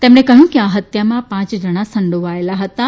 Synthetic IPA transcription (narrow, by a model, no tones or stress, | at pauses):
t̪ẽːmñẽkɐɦjũkiaɦət̪jamãpãːt͡ɕd͡ʒɐɽ̃asɐ̃ɳɖʱoʋaːjɪlaɦɐt̪a